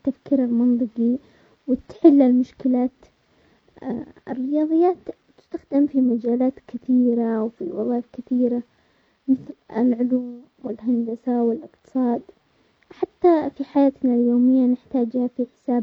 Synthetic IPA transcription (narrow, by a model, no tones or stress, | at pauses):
t̪ːafkiːɾalmɑnt̪ˤɨqi | wɪt̪ħɪlːalmʊʃkɪlaːt̪ | ɪrːɪjɑːðˤɨjːaːt̪t̪ːɪ̥st̪axd̪ɪmfimad͡ʒaːlaːt̪kɪθiːɾaʔwfḭwɑ̰ðˤɑːfkɪθiːɾa | mɪθlɪ̰lʕʊluːm | wɪlɦand̪asawɪlɪqt̪ɨ̥sˤɑːd̪ | ħat̪ːafiħajaːt̪naljoːmɪjːanɪħt̪aːd͡ʒhafiħɪ̥saːb